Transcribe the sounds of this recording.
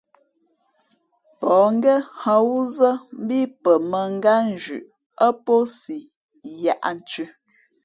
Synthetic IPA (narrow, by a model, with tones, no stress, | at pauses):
pɔ˨ŋ˦ɡɛ˦hə˨wu˦zə˦m̩˦bi˦pə˨mə˨ŋ˦ɡa˦n˦˨d͡ʒʉ̰˨ʔ | ə˦po˦si˨ | ja˨ʔa̰˨n̩˨˦t͡ʃʉ˦